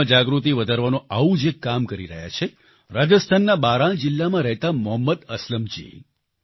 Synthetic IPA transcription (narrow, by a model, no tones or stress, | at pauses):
d͡ʒaɡɾut̪̬iʋəd̪ʱaɾʋanõaʋũd͡ʒekːamkəɾiɾə̰ɦja̰t͡ʃʰe | ɾad͡ʒəst̪ʰanːabaɾãɭ̃d͡ʒɪlːamãɾəɦt̪amʊɦəmːəd̪əsləmd͡ʒḭ